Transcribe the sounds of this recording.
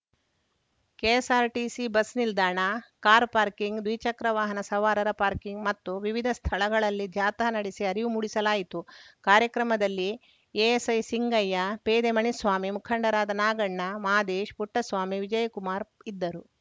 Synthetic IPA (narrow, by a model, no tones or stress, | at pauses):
keːsaːɾʈisibɐsnild̪aːɳɐkaːɾpaːɾkiŋɡd̪ʋit͡ʃɐkɾɐʋaːɦɐnɐsɐʋaːɾɐɾɐpaːɾkiŋɡmɐt̪ːuʋiʋid̪ʱɐst̪ʰɐɭɐɡɐɭɐlːid̪ʱjaːt̪ɐɦɐnɐɽisiɐɾiʋumuɽisɐlaːjit̪ukaːɾjɐkɾɐmɐd̪ɐlːi | eːesɐjsiŋɡɐjːɐpeːd̪emɐɳisʋaːmimukʰɐɳɖɐɾaːd̪ɐnaːɡɐɳːɐmaːd̪eːʃpuʈːɐsʋaːmiʋid͡ʒɐjɐkumaːɾid̪ːɐɾu